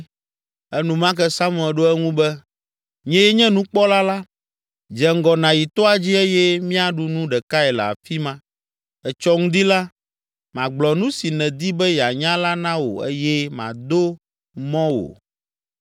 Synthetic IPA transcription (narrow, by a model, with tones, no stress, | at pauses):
ɛ˦nũ˨mã˦kɛ˦sa˦mũ˨ɛ˨ɖo˦ɛ˦ŋũ˦bɛ˦ | ɲɛ̃˦jɛ˦ɲɛ̃˦nũ˦k͡pɔ˦la˦la˦ | d͡ʒɛ˨ŋ˦ɡɔ˨nã˨ji˨t̪ɔ˦a˨d͡ʑi˦e˦jɛ˦mĩ˦a˦ɖu˨nũ˦ɖɛ˨ka˦ɛ˨l̰a̰˨fi˦mã˦ | ɛ˨t͡ʃɔ˦ŋ̩̃˦d̪i˦la˦ | mã˨ɡ͡blɔ˨nũ˦si˨nɛ̃˨d̪i˦bɛ˦ja˨ɲã˦la˦nã˦wo̰˨ḛ˦jɛ˦mã̰˨d̪o˦ | mɔ̃˦wo̰˨